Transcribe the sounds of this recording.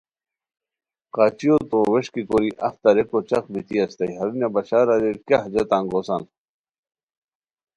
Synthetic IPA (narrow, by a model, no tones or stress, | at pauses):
qaːt͡ɕijot̪õweʂkikoɾiʔɐ̰ft̪ɐɾekot͡ɕɐk̚bit̪iɐst̪ɐiɦɐɾinjɐbɐɕaːɾɐɾeɾkjaɦd͡ʑɐt̪ãŋɡosa̰n